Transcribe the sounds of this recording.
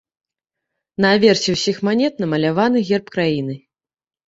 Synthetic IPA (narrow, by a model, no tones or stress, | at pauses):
nɐːvʲɛrsʲɛwsʲixmanʲɛt̪nɐmɐlʲavanɨɣʲɛrpkɾajinɨ